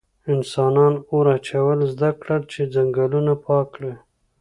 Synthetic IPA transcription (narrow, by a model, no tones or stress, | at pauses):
ɪnsɑnɑnoɾat͡ʃawəlzd̪akɽaɽt͡ʃed͡zaŋɡalunapʰɑkɽe